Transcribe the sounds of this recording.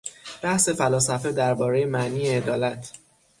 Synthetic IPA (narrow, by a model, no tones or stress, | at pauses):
b̥æhse̞fælɒːsæfe̞d̪æɾbɒːɾejemæʔniːeːd̪ɒːlæt̪ʰ